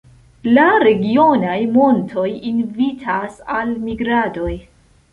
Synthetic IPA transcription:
laɾe̞ɡio̞najmo̞ntʰo̞jinvitʰasalmiɡɾado̞j

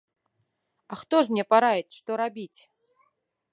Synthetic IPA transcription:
axt̪ɔʐmnʲɛpaɾajɛt͡sʲʂt̪ɔɾabʲit͡sʲ

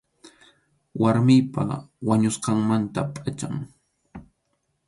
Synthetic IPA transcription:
waɾmɪjpa̰waɲʊsqɑŋmant̪apʼat͡ʃaŋ

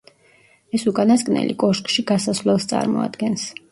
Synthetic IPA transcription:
ɛsukʼanaskʼnɛ̰lḭkʼɔʃkʼʃiɡasasvlɛlˠst̪sʼa̰ɾmɔ̰a̰d̪ɡɛns

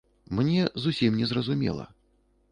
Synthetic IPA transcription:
mnʲɛzusʲimnʲɛzrɐzumʲɛ̰lˠɐ̰

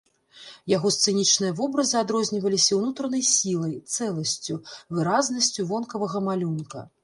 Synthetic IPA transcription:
jaɣɔst̪sɨnʲit͡ʂnɨjɐvɔbɾɐzɨad̪ɾɔzʲnʲivɐlʲisʲɐwnut̪ɾɐnɐjsʲilˠɐjt̪sɛlˠɐsʲt͡sʲuvɨɾaznɐsʲt͡sʲuvɔnkɐvɐɣɐmalʲunkɐ̰

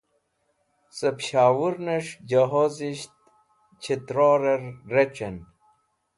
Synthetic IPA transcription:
səpɕaːwuɾnɐʂd͡ʑɐɦoziɕt̪̚ | t͡ɕʰit̪ɾoːɾɐɾːet͡ɕen

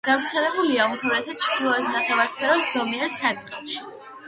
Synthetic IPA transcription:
ɡ̥avɾt̪sʰɛlɛbuliaunt̪ʰuɾɛsat̪sʰt͡ʃʰɾd̪̥ilˠɔɛd̪nat̪ʰavaɾspʰɛɾɔszɔmiɛɾsadχɛʃi̥

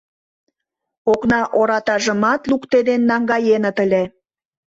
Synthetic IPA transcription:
oknɑʔoɾɑt̪ɑʒə̆mɑt̪lukt̪ed̪enːɑŋɡɑjenə̆t̪əlʲe

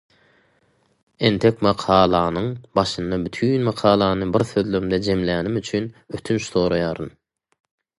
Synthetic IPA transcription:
e̞nt̪ʰe̞kʲmɑqʰɑːlˠɑːnɯŋbɑʃɯnd̪ɑbyt̪ʰyːnmɑqʰɑːlˠɑːnɯbiɾθøðløɾmd̪ed͡ʒe̞mlæːnimyt͡ʃʰynyt̪ʰynʃθo̞ːɾɑjɑːɾɯn

